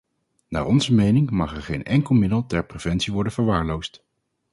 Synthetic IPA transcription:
na̰ːɹɔnzəmejnɪŋmɑχɛɹχejnɛŋkəlˠmɪdəlˠtɛɹprev̥ɛntsiʋɔɹdənvəɹʋaːɹlowst

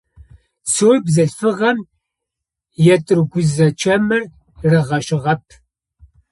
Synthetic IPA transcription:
soːjbzɐɬfɨʁɐm | jɛtʼɨrɡʷʊzɐt͡ʃʰɐmɨr | rɨʁɐʃɪʁɐp̚ʰ

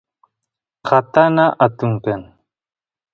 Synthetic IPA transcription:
xat̪anaʔat̪uŋken

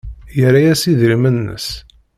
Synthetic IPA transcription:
jəɾajæsiðɾimənːə̰s

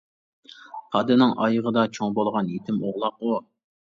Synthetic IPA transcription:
χʰɑd̪ɪnɪŋʔɑjəʁəd̪ɑt͡ʃʰoŋbolˠʁɑnjet̪ʰɪmoʁlˠɑqu

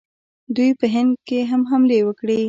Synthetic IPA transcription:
d̪ujpəɦɪnd̪̚keɦamɦamlewəkɽi

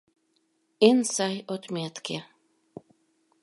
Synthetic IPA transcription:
ensajot̪miat̪kʰʲe

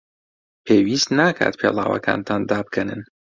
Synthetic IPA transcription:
pʰeːwist̪naːkʰa̰ːt̪pʰeːlˠaːwɐ̰kʰa̰ːnt̪ʰaːnd̪aːbkʰɛnɨn

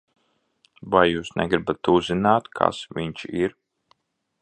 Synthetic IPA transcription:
vajjuːsnɛ̰ɡɾibat̪uzinaːt̪kʰa̰sviɲt͡ʃiɾ

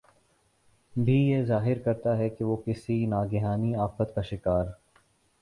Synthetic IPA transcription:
bʱijezaːɦɪɾkɐɾt̪aɦɛkeʋoːkɪsinaːɡɪɦaːniaːfət̪kaʃɪkaːɾ

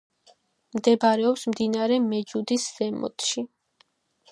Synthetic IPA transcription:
md̪ɛbɾɛɔpsmd̪inaɾɛmɛd͡ʒud̪isz̥ɛmɔ̰t̪ʰʃi

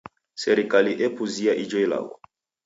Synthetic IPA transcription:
sɛɾikaliʔɛpuziaʔid͡ʒɔjla̰wɔ

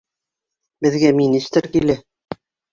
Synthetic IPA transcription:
bɘ̆ðɡæminist̪ɾkilæ

